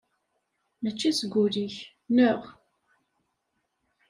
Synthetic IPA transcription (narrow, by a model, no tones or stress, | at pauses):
mət͡ʃːisəɡʷːuliç | nʊʁ